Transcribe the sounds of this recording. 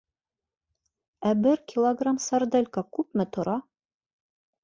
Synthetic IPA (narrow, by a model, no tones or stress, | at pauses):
æbɘɾkʲilˠoɡramsɐrd̪elʲkɑkʉpmɘt̪ŏɾʔɑ